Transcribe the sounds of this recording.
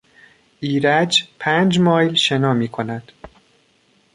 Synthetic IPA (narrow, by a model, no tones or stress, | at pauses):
ʔiːɾæd͡ʒpʰæːnd͡ʒmɒːjlʃe̞nɒːmiːkʰo̞næd̪̥